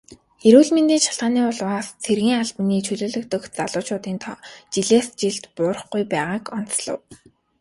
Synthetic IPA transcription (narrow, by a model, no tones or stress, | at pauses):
eɾuːɮment̪iːnʃḁɮʁaːniːʊɮwaːst͡sʰerɣiːŋaɮp̆niːt͡ɕʰɵɮoːɮɵ̆kt̪ɵ̆kt͡saɮʊːt͡ɕʰʊːt̪iːnt̪ʰɔːt͡ɕiɮeːst͡ɕiɮt̪pʊːr̆χɡujpæːʁaːkɔn̥t͡sɮə̰̆w